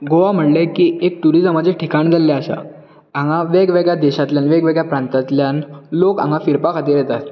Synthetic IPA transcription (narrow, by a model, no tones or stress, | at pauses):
ɡoʋam̤əʈlekiːek̚ʈuɾid͡zəməd͡ʑʱeʈʰikaɳd͡zalːeaɕa̰ | ãŋɡaʋeɡʋeɡɭjad̪ɛɕat̪ljanʋeɡʋeɡɭjapɾãnt̪at̪ljanlokã̰ŋɡãfiɾpakʰat̪iːɾjet̪at̪